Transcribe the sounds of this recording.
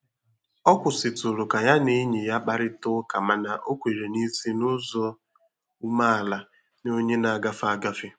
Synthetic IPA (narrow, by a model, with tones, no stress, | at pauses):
ɔ˦kʷʊ˨sɪ˨tʊ˨ɾʊ˨ka˨ja˦ne˦ɲe˨ja˦k͡pa˨ɾɪ˦tʊ˦ka˨ma˨na˨ʔo˦kʷe˨ɾe˨ni˦si˦nʊ˦zo˦ | u˦ma˦a˨la˨ | no˦ɲe˦na˨a˨ɡa˦fa˦˨ɡa˦fɪ˦